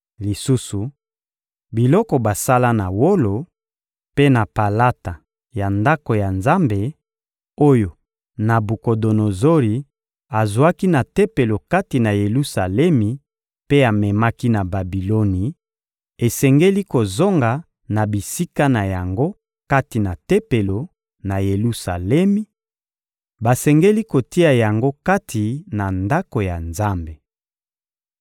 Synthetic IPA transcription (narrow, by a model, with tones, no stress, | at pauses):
li˨su˦su˨ | bi˨lɔ˦kɔ˨ba˨sa˦la˦na˨wo˦lo˨ | pe˦na˨pa˨la˦ta˨ | ja˨nda˦ko˨ja˨nza˦mbe˨ | o˦jo˨ | na˨bu˨ko˨do˨no˨zo˦li˨ | a˨zwa˦ki˦na˨te˦pe˨lo˨ka˦ti˨na˨je˨lu˦sa˨lɛ˦mi˨ | pe˦a˨mɛ˨ma˦ki˦na˨ba˨bi˨lo˦ni˨ | e˨sɛ˨ŋɡe˦li˦ko˨zo˦ŋɡa˨ | na˨bi˨si˦ka˦na˨ja˨ŋɡo˦ | ka˦ti˨na˨tɛ˦pe˨lo˨ | na˨je˨lu˦sa̰˨lɛ˦mi˦ | ba˨sɛ˨ŋɡe˦li˦ko˨ti˦a˨ja˨ŋɡo˦ka˦tʰi˨na˨nda˦ko˨ja˨nza˦mbe˨